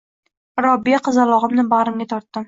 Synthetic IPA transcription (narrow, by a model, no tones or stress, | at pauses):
ɾɒbːijaqʰɨzalˠɒʁɨmnɪbaʁɾɪmɡʲat̪ʰɒɾt̪ːɪm